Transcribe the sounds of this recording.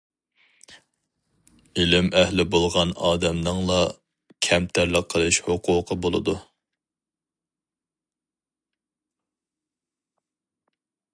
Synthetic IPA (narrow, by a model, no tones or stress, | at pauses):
ilɪmɛhlɪbolˠʁɑnɑːd̪ɛmnɨŋlˠɑ | kʲʰɛmt̪ʰæɾləqʰːəlˠɨʃhoqʰʊːqʰəbolˠɨd̪u